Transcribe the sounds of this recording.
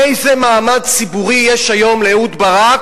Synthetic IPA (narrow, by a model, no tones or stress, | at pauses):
ejzemaːmad̪t͡sibuʁijɛʃajo̞mleut̪baʁak